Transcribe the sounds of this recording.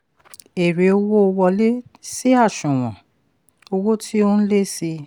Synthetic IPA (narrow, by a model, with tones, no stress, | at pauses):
e˨ɾe˨˦o˧wo˦o˧wɔ˧le˦si˦a˦˨ʃũ˨w̃ɔ̰̃˨ | o˧wo˦tʰi˦o˦n̩˦le˦si˧